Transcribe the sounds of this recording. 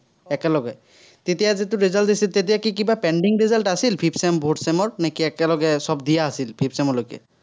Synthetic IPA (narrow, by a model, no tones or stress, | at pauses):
ɛkɛlɔɡɛ | tetijazit̬ʊɹizaltisiltet̬ijakikibapɛɳɖiŋɹizaltasilpʰipsɛmbʱotsɛmɔɹnekiɛkɛlɔɡɛsɔb̚dijaːsilpʰipsɛmɔlojkɛ̰